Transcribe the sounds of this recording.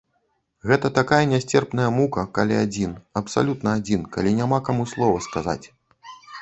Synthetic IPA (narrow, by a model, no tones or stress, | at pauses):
ɣɛt̪ɐt̪akajɐnʲasʲt͡sʲɛrpnɐjɐmukɐkalʲiad͡zʲinɐpsa̰lʲut̪nɐad͡zʲinkalʲinʲamakamuslˠɔvɐskaza̰t͡sʲ